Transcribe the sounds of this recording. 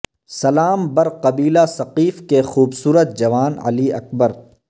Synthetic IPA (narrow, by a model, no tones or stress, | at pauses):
sɐlaːmbɐɾqɐbiːlasɐqiːfkexuːbsuːɾət̪̚d͡ʒɐʋaːnɐ̰liɐ̰k̚bəɾ